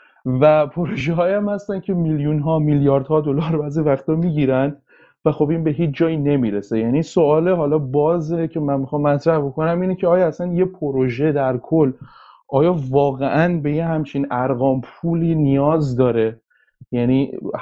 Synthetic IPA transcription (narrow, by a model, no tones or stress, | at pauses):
væpʰoɾoʒeɦɒːjæmhæst̪æncʰe̞miljunɦɒːmiljɒːɾd̪hɒːd̪o̞lɒːɾbæːzivæxt̪ʰɒːmiːɟiːɾænd̪ | væxo̞biːnbe̞ɦiːt͡ʃʰd͡ʒɒːiːne̞miːɾesejænisoɒːle̞ɦɒːlɒːbɒːzecʰe̞mænmixɒːmːæt̪ɾæhbo̞ko̞næmiːnecʰeɒːjɒæsænje̞pʰoɾoʒe̞d̪æɾkʰolː | ʔɒːjɒːvɒːɣe̞ʔænbe̞jeɦæmt͡ʃʰinæɾɣɒːmpʰuliːnijɒːzd̪ɒːɾe̞ | jæniː